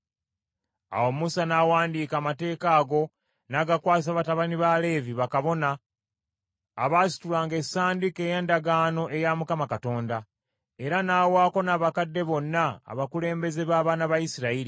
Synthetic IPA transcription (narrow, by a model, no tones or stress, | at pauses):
a̰wo̞musanawaːndiːkaːmate̞ːkaːɡo̞ | naɡakwaːs̬aβataβaniβale̞ːviβakaβo̞na | βaːsi̥tulaːŋɡe̞saːndikejeːndaɡaːno̞ʔe̞jamukamakato̞ːnda | e̞ɾanaːwaːko̞naːβakadːe̞βo̞nːa̰ːβakule̞ːmbe̞ze̞βaːβaːnaβajisiɾaiɾi